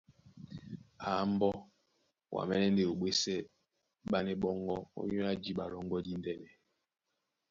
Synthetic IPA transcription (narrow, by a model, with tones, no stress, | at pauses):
aː˨˦m̩˦bɔ˦ | wʔa̰˨mɛ˦nɛ˦n˦de˨o˨ɓwe˦sɛ˦ | ɓa˦ne˦ɓɔ˦ŋɡɔ˦o̰˦ɲo˦a˦d͡ʒi˦ɓa˨ɾɔ˦ŋɡɔ˦di˦n˦dɛ˦nɛ˨